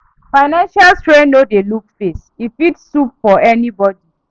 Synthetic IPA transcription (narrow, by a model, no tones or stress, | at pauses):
faɪnãnʃalstɹẽnnodelukfesifitssup̚fɔʔɛnibɔdi